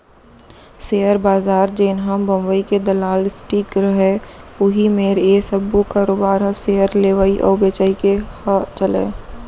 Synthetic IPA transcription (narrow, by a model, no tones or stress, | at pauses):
sejəɾbaːzaːɾd͡ʒeːnɦəmbə̃mbəiked̪əlaːlɪsʈiːkɾəɦeʊɦimeːɾesəbokaːɾoːbaːɾɦseːəɾleːʋaiʔɔ̰ːbeːt͡ʃaːikehat͡ʃəlḛː